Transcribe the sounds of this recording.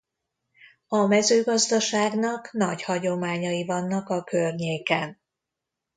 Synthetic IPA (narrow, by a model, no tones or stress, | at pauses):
ɒmɛzøːɡɒzd̪ɒʃaːɡnɒknɒɟhɒɟo̞maːɲɒjivɒnːɒkɒkørɲeːkɛn